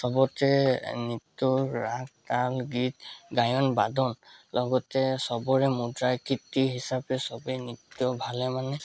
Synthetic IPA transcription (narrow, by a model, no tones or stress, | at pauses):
sɔbɔtɛnitːɔɹak̚talɡitɡajɔnbadʱɔnlɔɡɔtɛsɔbɔɹɛmudɹajkitːiɦisapɛsɔbɛnitːjɔbʱalɛmanɛ